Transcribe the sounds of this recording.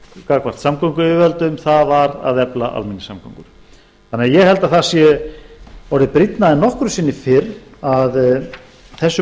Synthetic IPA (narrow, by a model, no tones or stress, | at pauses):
kakvḁt̪samkɔŋkʏʏvœlt̪ʏmθavaɾa̰ðɛpla̰ʔa̰lminːɪsamkʰɔ̰ŋkʏɾ̥ | θanɪajɛhɛlt̪aθasjɛ | vɔɾðɪpɾit̪naðɪnɔhkɾʏsɪnːɪfɪɾað | θɛsːʏ